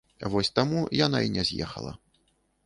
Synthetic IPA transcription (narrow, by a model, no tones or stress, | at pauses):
vɔsʲt̪amujan̪a̰inʲɛzʲjɛ̰xɐ̰lˠɐ̰